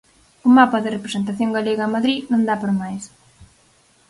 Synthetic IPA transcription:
ʊmapɐðɪrepɾesent̪aθjõŋɡaleɣamaðɾinõnd̪apoɾamajs

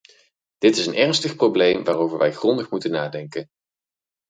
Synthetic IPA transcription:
d̥ɪtɪsənʔɛɹnstəχprowblejmʋaːrowvəɹʋɛjχrɔndəχmutənaːdɛŋkən

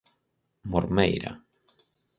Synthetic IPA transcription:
moɾmḛjɾa̰

